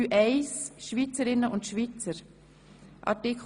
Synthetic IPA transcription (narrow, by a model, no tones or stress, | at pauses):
yːʔɛɪsʃvit͡səɾɪnːəʔʊntʃvit͡səɾ | ʔɑ̰ɾtɪk